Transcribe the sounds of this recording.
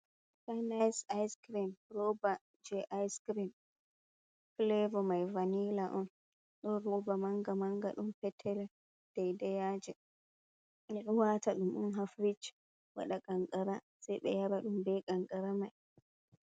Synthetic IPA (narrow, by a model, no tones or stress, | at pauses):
fajnajsajskɾimɾɔba | d͡ʒɛʔajskɾim | klɛvɔmajvanilaʔɔn | ɗɔɾɔbamaŋɡamaŋɡa̰ɗumpɛtʰːɛlɛ | d̥ɛjdɛjad͡ʒɛ | mɛɗunwataɗumɗṵnɦafɾit͡ʃ | wa̰ɗakaŋkʼaɾa | sajɓɛ̰jaɾaɗumbɛkʼaŋɡaɾamaj